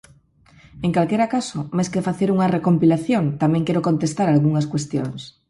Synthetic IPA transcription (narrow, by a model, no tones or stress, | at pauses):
eŋkalkeɾakasʊmajskefaθeɾuŋɐrekompilaθjoŋt̪amɛ̃ŋkeɾokont̪est̪aɾalɣuŋɐskwest̪joŋs